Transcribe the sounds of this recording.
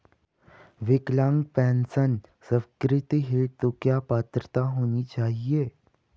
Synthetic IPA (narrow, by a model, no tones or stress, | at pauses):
ʋɪklãŋɡ̚pɛ̃ːnsənsə̃wkɾɪt̪iɦeʈ̚t̪okjaːpaːt̪ɾət̪aɦoːnit͡ʃaːɦieː